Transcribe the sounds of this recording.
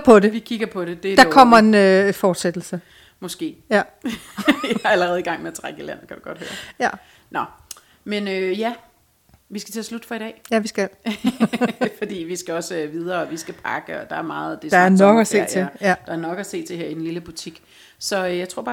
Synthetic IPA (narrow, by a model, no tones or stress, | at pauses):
pʰɒ̽de̝ʋikʰiɡ̥ɐpʰɒ̽ɾed̥e̝d̥ɑ̈kʰɒ̽m̰ɐe̝nøfɒːd̥sed̥l̩sə | mɒ̽sɡ̥e̝̰ːjæ | æɐæləʁɛːð̞̩ˠiɡ̥ɑ̈ŋ̰meæt͡sʰʁaɡ̥ilæn̰̩kʰæd̥uɡ̥ɒ̽d̥hø̰ːɐjæ | nʔɒ | menøjæ | ʋisɡ̥æ̥t͡sʰe̝ɐslud̥fɒ̽iɾ̥ɛ̰ːjæʋisɡ̥æl | fɒ̽d̥ḭːʋisɡ̥æɒ̽søʋið̞ˠɐːɒʋisɡ̥æpʰɑ̈ɡ̥əɒ̽d̥ɑ̈æɐmɑ̈ːð̩ˠd̥e̝sd̥ɑ̈æɐnɒ̽ɡ̥əæse̝̰ɐːt͡sʰe̝jæd̥ɑ̈æɐnɒ̽ɡ̥æse̝̰ːt͡sʰe̝ɦeɐid̥n̩liləb̥ut͡sʰiɡ̥ | sɒ̽jɑ̈ɪt͡sʰʁo̰b̥ɑ̈